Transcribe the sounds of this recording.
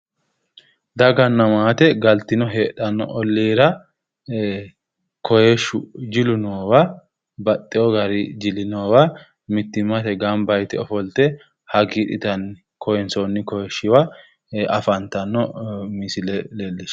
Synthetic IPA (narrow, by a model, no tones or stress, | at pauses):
d̪ɐɡɐnːɐmaːt̪ɛɡɐlt̪ɪnɔɦeːᶑɐnːɔ̰ʔɔlːiːɾɐ | kɔjɛʃʊd͡ʒɪlʊnoːwɐ | bɐt̪ʼːɛɔɡɐɾɪd͡ʒɪlɪnoːwɐ | mɪt̪ːɪmɐt̪ɛɡambɐjt̪ɛɔfɔlt̪ɛ | hɐɡiːᶑɪt̪ɐnɪ | kɔhɛnsɔnːɪkɔhɛʃːɪwa | ɐfɐnt̪ɐnːɔmɪsɪlɛlɛlːɪʃ